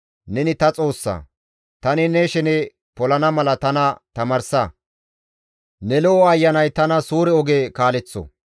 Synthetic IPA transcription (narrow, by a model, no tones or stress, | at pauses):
nɛnɪt̪ɐt͡sʼo̞ːsːɐ̰ | t̪ɐnɪnɛʃɛnɛ | pɔlɐnɐmɐlɐt̪ɐnɐt̪ɐmɐːɾsɐ | nɛlɔɔɐjːɐnɐjt̪ɐnɐsuːɾɛɔɡekaːlɛt͡sːɔ̰